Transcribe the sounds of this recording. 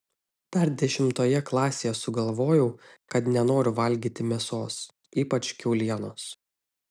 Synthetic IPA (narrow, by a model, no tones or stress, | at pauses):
t̪ɐɾd̪ʲɛʃʲɪmt̪oːjɛklˠɑːsʲeːjɛsʊɡɐlˠʋoːjɛʊkɐt̪nʲɛnoːɾʲʊʋɐlʲˑɡʲiːt̪ʲɪmʲɛsoːs | iːpɐt͡ʃʲkʲɛʊlʲiɛnoːs